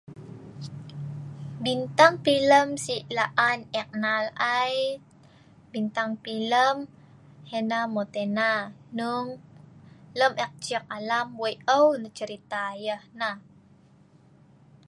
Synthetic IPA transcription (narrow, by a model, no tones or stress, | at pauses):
bint̪aŋpiləmsiʔlaʔanɛk̚nalaj | bint̪aŋpiləm | henamot̪enanuŋ | ləmʔɛk̚t͡ʃiək̚alamwəjʔəwnət͡ʃəɾit̪ajəhnah